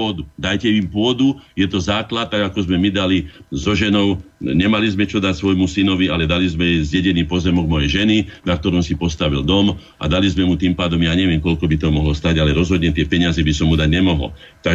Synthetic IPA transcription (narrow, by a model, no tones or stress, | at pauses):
ɔd̪ud̪ajcɛimpʊɔd̪ujɛt̪ɔzaːklat̪̚ːaɡakɔzmɛmid̪alizɔʒɛnɔʊɲɛmalizmɛt͡ʃɔd̪acsʋɔjmusinɔʋialɛd̪alizmɛzɟɛɟɛniːpɔzɛmɔɡmɔjɛjʒɛninak̚t̪ɔɾɔmsipɔst̪aʋild̪ɔm | ʔa̰d̪alizmɛmut̪iːmpaːd̪ɔmjaːɲɛʋɪɛmkɔʎkɔbit̪ɔmɔɦlɔst̪aɟalɛɾɔzɦɔd̪ɲɛt̪ɪɛpɛɲɪazɛbisɔmːud̪aɟɲɛmɔɦɔ̰l | t̪a